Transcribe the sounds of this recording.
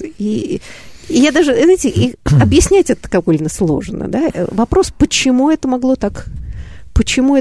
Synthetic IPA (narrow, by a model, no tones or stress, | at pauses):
i | jad̪aʐɨzaɪtʲɪʔiɐbjɪsʲnʲætʲɛt̪ə̥kɐvolʲnəslˠo̞ʐənə̰d̪aə̰vɐpɾo̞spət͡ɕɪmuɛt̪əmɐɡlˠo̞t̪ak | pət͡ɕɪmuɛ